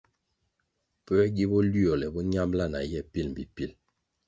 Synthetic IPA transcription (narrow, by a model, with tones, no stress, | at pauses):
pɛ˦ɛ˦ɡi˦bɔ˦li˦ɔ˨lɛ˨bɔ˦ɲa˦mbla˦˨na̰˨jɛ˦˨pi˦lm̩˨bi˨pi˦˨l